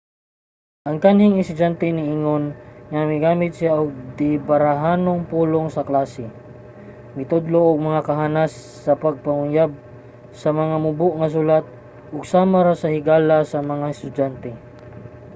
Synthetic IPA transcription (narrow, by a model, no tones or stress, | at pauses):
ʔɐŋkanhiŋɪst̪ʊd͡ʒant̪ɛnɪʔiŋonŋɐŋɪɡaːmɪt̪̚sɪaʔʊɡ̚d̪ɪbaɾaɦaːnoŋpuːloŋsɐklaːsɛ | mɪt̪ʊd̪loʔʊɡ̚mɐŋakɐɦanasːɐpɐɡ̚pɐŋʊjab̚ | sɐmɐŋamʊbʊʔŋɐs̬ulat̪̚ | ʔʊɡ̚saːmaɾasɐhɪɡaːlasɐmɐŋaɛst̪ʊd͡ʒant̪ɛ